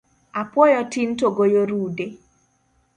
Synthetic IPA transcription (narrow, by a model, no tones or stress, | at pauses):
apwɔjɔtin̩toɡojoɾude